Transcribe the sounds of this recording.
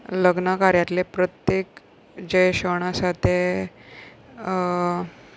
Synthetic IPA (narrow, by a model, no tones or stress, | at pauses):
ləɡnəkaɾjat̪lepɾət̪jek | d͡ʑeɕəɽ̃asat̪e